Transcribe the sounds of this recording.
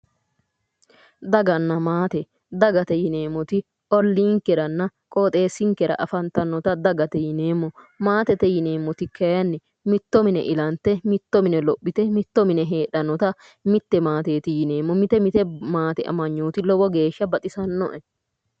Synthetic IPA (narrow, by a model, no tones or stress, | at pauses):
d̪ɐɡɐnːɐmaːt̪ɛ | d̪ɐɡɐt̪ɛjɪne̞ːmːɔt̪ɪ | ʔɔlːiːŋkːɛɾɐnːɐkʼoːt̪ʼe̞ːsːɪŋkɛɾɐ̰ʔɐfɐnt̪ɐnːɔt̪ɐd̪ɐɡɐt̪ɛjɪneːmːɔ | maːt̪ɛt̪ɛjɪne̞ːmːɔt̪ɪkɐjɐnːɛ | mɪt̪ːɔmɪnɛ̰ʔɪlɐnt̪ːɛmɪt̪ːɔmɪnɛlɔpːɪt̪ɛmɪt̪ːɔmɪnɛɦe̞ːɗɐnːɔt̪ɐ | mɪt̪ːɛmaːt̪e̞ːt̪ɪjɪne̞ːmːɔmɪt̪ɛmɪt̪ɛmaːt̪ɛʔɐ̰mɐɲːoːt̪ɪlɔbɔɡe̞ːʃːɐbɐt̪ʼɪsɐnːɔ̰ʔɛ